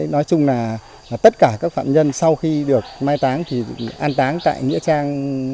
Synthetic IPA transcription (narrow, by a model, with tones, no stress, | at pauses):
nɔ˨˦jt͡ɕʊ˧ŋ͡mlaː˨˩˨ | t̪ə˦˥t̚kaː˧˩kaː˦˥k̚fa̰ː˧˨mɲə˧nsa˧wxi˧ɗɨ˨˩ək̚maː˧jt̪aː˨˦ŋt̪ʰi˨˩ʔaː˧nt̪aː˨˦ŋt̪a̰ː˧˨jŋḭ˧˥t͡ɕaː˧ŋ